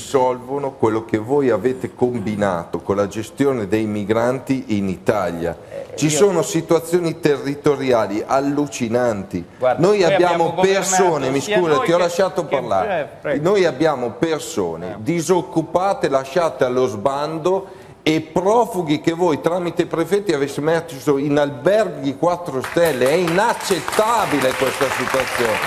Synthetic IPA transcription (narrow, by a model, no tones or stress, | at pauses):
sɔlvonokwelːokevojaveːt̪ekombina̰ːt̪okonlad͡ʒest̪joːned̪ejmiɡɾant̪iʔinit̪aʎja̰t͡ʃisoːnosit̪uat̪sːjoːnit̪erːit̪oɾjaːliʔalːut͡ʃinant̪inojabjaːmopersooːnemiskuːzat̪iɔlaʃaːt̪oparla̰ɾenojabːjaːmoperso̰ːnḛd̪izokːupaːt̪elaʃaːt̪ealːozband̪o | epɾɔfuɡikevojt̪ɾaːmit̪epɾefɛt̪ːiavesemɛsoinalbɛrɡid̪ikwat̪ːɾost̪ɛlːeɛinat͡ʃːet̪ːaːbilekwest̪asit̪uat̪sːjoːne